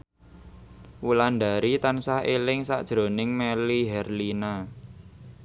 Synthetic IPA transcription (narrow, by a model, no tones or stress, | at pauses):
wuland̪aɾit̪ansahɦelɪŋsa̰ʔd̥ʒ̥ɾo̤nɪŋmeliɦɛrlina